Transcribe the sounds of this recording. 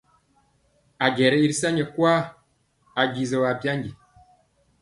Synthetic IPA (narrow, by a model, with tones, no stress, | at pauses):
a˨ɡɛ˨ɾɛ˦i˦ɾsa˦ɲɛ˨kwaː˦ | a˨ɡi˨zə˨wa˨pja˦ŋɡi˨